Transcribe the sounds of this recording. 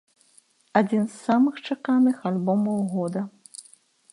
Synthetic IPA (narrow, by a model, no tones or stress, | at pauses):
ad͡zʲinsːamɨxt͡ʂakanɨxalʲbɔmɐwɣɔd̪ɐ